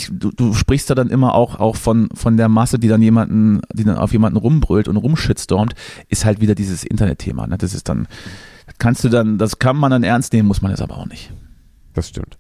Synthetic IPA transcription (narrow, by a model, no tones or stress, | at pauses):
duːd̥uːʃpʁ̥ɪçstjaːdanʔɪmɐʔa̰ʊxʔa̰ʊxfɔnfɔndeːɐmasədiːdanjeːmandn̩d̥iːda̰nʔa̰ʊfjeːmandn̩ʁʊmbʁʏltʊntʁʊmʃɪt͡sd̥ɔɐmtʔɪsthaltv̥iːdɐdiːzəsʔɪ̰ntɐnɛ̰tʰːḛːma̰ːnəd̥asɪstd̥a̰nd̥akʰanstd̥uːdandaskʰanmandanʔɛɐnstneːmənmʊsmana̰sʔa̰ːbɐ̰ʔaʊxnɪç | d̥asʃtɪ̰mt